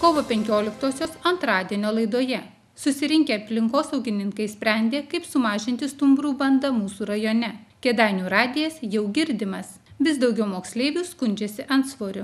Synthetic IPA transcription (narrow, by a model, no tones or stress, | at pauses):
koːʋoːpʲɛŋʲkʲoːlʲɪkt̪oːsʲoːsɐnt̪ɾɑːd̪ʲiɛnʲoːlˠɐɪd̪oːjɛ | sʊsʲɪɾʲɪŋʲkʲeːɐpʲlʲɪŋkoːsɐʊɡʲɪnʲɪŋkɐɪsʲpʲɾʲæˑnʲd̪ʲeːkɐɪpsʊmɑːʒʲɪnʲt̪ʲɪst̪ʊmbɾuːbɐnd̪ɐmuːsuːɾɐjoːnʲɛkʲɛd̪ɑɪnʲuːɾɑːd̪ʲɪjɛsjɛʊɡʲɪɾʲd̪ʲɪmɐs | ʋʲɪsd̪ɐʊɡʲɛʊmoːksʲlʲeːʋʲuːskʊnʲd͡ʒʲeːsʲɪʔɐnt̪sʋoːɾʲʊ